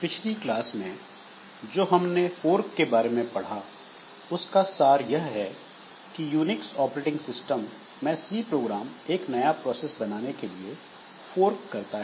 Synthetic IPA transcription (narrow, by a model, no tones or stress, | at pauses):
pɪt͡ʃʰliklaːsmẽ | d͡ʒoːɦɐmnefoːɾkːebaːɾemẽpɐɽ̤a | ʊskasaːɾjɐɦɦɛ | kijuːnɪksɔːpɾeːʈɪ̃ŋɡsɪsʈəmː | ɛ̃ːsiːpɾoːɡɾaːmeːknɐjapɾɔːseːsbɐnaːnekelie | foːɾkːɐɾt̪aɦɛ